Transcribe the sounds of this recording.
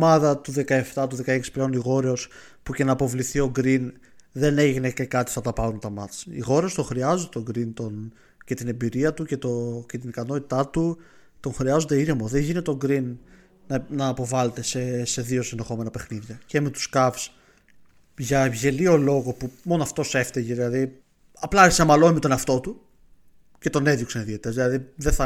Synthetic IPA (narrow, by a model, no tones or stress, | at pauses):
omɐðɐt̪uðe̞kɐeft̪ɐt̪uðe̞kɐeksi̥ple̞o̞niɣo̞ɾeo̞s | puce̞nɐːpo̞vliθio̞ɡɾin | ðe̞ne̞ʝʝine̞ce̞kɐt̪i̥θɐt̪ɐpɐɾunt̪ɐmɐt͡sḭɣo̞ɾeost̪o̞xɾiɐzod̪et̪o̞ɡɾint̪o̞n | ce̞t̪ine̞mbiɾiɐt̪uce̞t̪ocet̪inikɐno̞t̪i̥t̪ɐt̪u | t̪o̞ŋxɾiɐzond̪eiɾimo̞ðe̞ɲʝine̞t̪eo̞ɡɾinː | nɐːpo̞vɐle̞t̪e̞sese̞ðio̞sinðe̞xo̞me̞nɐpe̞xniðʝɐce̞me̞t̪u̥skɐfs | ʝɐevʝe̞lio̞lo̞ɣo̞pumo̞noɐft̪o̞se̞ft̪eʝðilɐði | ɐplɐɐɾç̥sɐmɐlo̞imet̪o̞neɐft̪o̞t̪u | ce̞t̪o̞ne̞ðjoksɐniðiet̪ezðilɐðiðeθɐ